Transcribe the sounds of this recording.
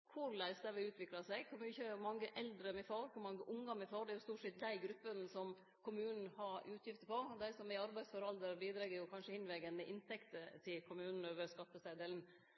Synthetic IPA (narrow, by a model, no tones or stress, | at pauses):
kʰʊɾlæɪsd̪æʋɪʉːt̪ʰʋɪklɑsæɪɡkʰɔmjʊɪçːəmɑŋːəʔɛld̪ɾəmɛfɑːɾkʰʊɾmɑŋːəʔʊŋːɑmɛfɑːɖ̪ɛæɾjʊst̪uːʈʂɛt̪̚d̪æɪɡɾʉpːənsɔm | kʰʊmʉːnn̩hɑɾʉːt̪ʰjɪft̪əpɔd̪æɪsɔmɪɑɾbæɪsfɔɾɑld̪əɾbiːd̪ɾɛɡːəɾjʊkʰɑnʂəhɪnʋɛɡənəʔɪnt̪ʰɛkt̪ət̪ʰɪlkʰʊmʉːnn̩øːʋəɾskɑt̪ːəsæɪd̪eːln̩